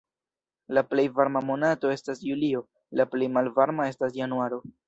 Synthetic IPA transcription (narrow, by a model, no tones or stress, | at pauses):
laple̞jvaɾmamo̞nato̞e̞stasjulio̞ | laple̞jmalvaɾmae̞stas̬januaɾo̞